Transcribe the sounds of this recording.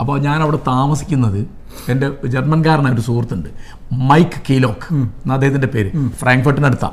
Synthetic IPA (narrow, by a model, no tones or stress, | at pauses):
ɐpːo̞ːɲaːnɐʋiɽet̪aːmɐsi̥kʲːunːɐðɨ | ende̞d͡ʑermɐnkaːɾɐɳaːjo̞ɾusuːrt̪ːuɳɖɨ | mɐjkːɨ̥kːejlo̞ːkːnːɐd̪eːhɐðinde̞pe̞ːɾɨfrʔaːŋɡfɐrʈːinɐɽut̪ːa̰ː